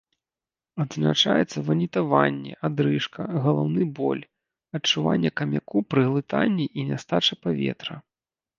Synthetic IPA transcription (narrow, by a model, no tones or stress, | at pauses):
ɐd̪zna̰t͡ʂa̰jɛt̪sːɐvɐnʲit̪avanʲːɛ̰ʔad̪ɾɨʂkɐɣɐlˠawnɨbɔ̰lʲ | ɐt͡ʂuva̰nʲːɛkɐmʲakupɾɨɣlˠɨt̪a̰nʲːiʔinʲast̪at͡ʂɐpavʲɛ̰t̪ɾɐ